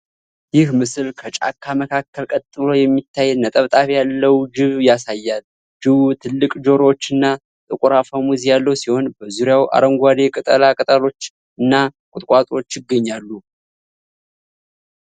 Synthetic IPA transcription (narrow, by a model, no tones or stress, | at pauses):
jɪhmɨsɨlkʰət͡ʃʼa̰kʰːaməkʰakʰːəlkʼət̪ʼːɨlo̞jɛmːit̪ʰːajːɛːət̪ʼəβt̪ʼafjalːəwd͡ʒɪβjasajːal | d͡ʒɨβut̪ʰɨlːɨkʼd͡ʒo̞ɾot͡ʃːɨnːa | t̪ʼɨkʼuɾafamuzjalːəwsiho̞nbəzuɾjawʔa̰ɾəŋɡʷad̪e̞kʼɨt̪ʼə̰lakʼɨt̪ʼəlo̞t͡ʃː | ɨnːakʼʊt̪ʼkʼwat̪ʼo̞t͡ʃːjɪɡːəɲːalːu